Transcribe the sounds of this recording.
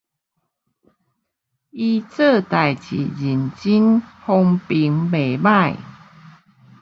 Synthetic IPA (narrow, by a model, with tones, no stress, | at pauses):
i˧t͡sə˥˧˨t̪a˨˩jt͡ɕḭ˨˩d͡ʑi˨˩nt͡ɕi˦nhɔ˧ŋpi˨˧˦ŋbe˨˩ba˥˧˨j